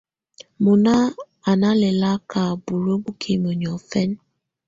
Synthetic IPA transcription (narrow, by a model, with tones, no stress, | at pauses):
mʊ˨na˦ | a˨na˦le˨la˦ka˨bu˨ɾo˦ɡ͡bu˦kʰe˨m˨o˨ɲɔ˨fe˦n̩˦